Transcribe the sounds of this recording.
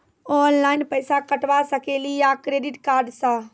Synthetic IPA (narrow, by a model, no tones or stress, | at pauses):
ɔnlainpəjsakəʈʋasəkelijakɾeɖiʈkaɾɖsə̃